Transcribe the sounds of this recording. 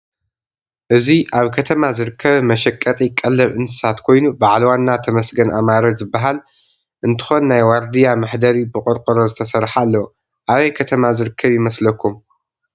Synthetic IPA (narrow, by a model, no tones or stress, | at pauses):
ʔɨziʔaβkʰɐt̪ʰɐmazɨɾɨkʰːɐβmɐʃɐkʼːɐt̪ʼikʼɐlːɐβʔɨntɨ̥sat̪kʰo̞jnubaʕlwanːat̪ʰɐmɐsɡɐnʔamaɾod͡ʒzɨbːaɦal | ʔɨnt̪ʰɨ̥xo̞nːajwaɾd̪ijamɨħd̪ɐɾibɨkʼɨɾkʼɨɾozɨt̪ʰɐsɐɾħalːɐw | ʔaβɐjkʰɐt̪ʰɐmazɨɾɨkʰːɐβjɪmɐslɐkʰːum